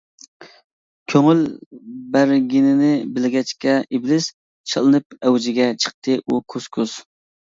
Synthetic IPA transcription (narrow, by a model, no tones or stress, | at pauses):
kʲʰøŋylbæɾɡʲinɪnɪbɪlɡʲɛt͡ʃkʲɛiblɪz̥ | t͡ʃʰɑ̰lˠɨnɨp̚ɛwd͡ʒɪɡʲɛt͡ʃʰə̥q̚t̪ʰɨʔukʰoskʰʊs